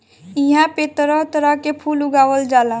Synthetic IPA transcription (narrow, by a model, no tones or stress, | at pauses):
iɦãpet̪ɾɔt̪əɾakepʰuluɡaːʋəld͡ʒaːla